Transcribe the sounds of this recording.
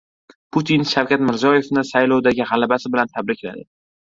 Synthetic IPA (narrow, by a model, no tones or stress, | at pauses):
pʰut̪ʰinʃawkʲat̪mɪɾzjɒje̞fnɪsajlˠɒwd̪aɡʲɪʁalabasɪbɪlant̪ʰabɾɪkʲla̰d̪ɪ